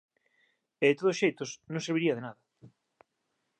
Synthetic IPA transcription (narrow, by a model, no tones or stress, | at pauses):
eðet̪oðosʃejt̪osnõŋseɾβiɾiɐðenaðɐ